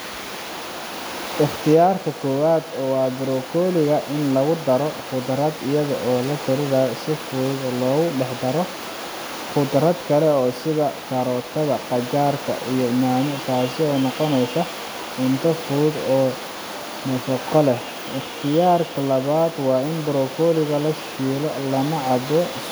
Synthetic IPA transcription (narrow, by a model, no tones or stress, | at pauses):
ʔɪχt̪ʰɪjaːrkʰɐkʰɔːwaːd̪ɔːwɑːdɪɾɔːkʰɔːlɪɣɐʔɪnlɐɣʊd̪ɐɾɔqʊd̪rɐd̪ɪjɐðɐʔɔːlɐt̪ʰɪɾɪðɐsɪfuːd̪lɔːɣʊɖɛħd̪ɐɾɔ | χʊd̪ɾɐd̪kʰɐlɛɔːsɪðɐkʰɐɾɔːt̪ʰɐðɐqɑt͡ʃaːrkʰɐ̰ʔijɔmaːmɪt̪ʰaːsɪɔːnɔqɔnɛjsɐ | ɪnt̪ʰɐfuːd̪ɔː | mɐfɐqɔlɛ | ɪχt̪ʰɪjaːrkʰɐlɐβaːd̪wɑːɪnbɾɔkʰɔːlɪɣɐlɐʃkiːlɔlɐnɐʕɑbɔ